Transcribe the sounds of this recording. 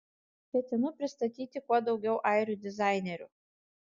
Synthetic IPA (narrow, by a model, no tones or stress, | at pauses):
kʲɛt̪ʲɪnʊpʲɾʲɪst̪ɐt̪ʲiːt̪ʲɪkuɔd̪ɒʊɡʲɛʊʔɑɪɾʲʊd̪ʲɪzɑɪnʲɛɾʲʊ̰